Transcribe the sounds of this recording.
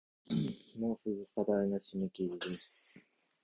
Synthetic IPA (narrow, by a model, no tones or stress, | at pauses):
moːsɨɡɯkad̪ainoɕimekʲiɾid̪esɨ̥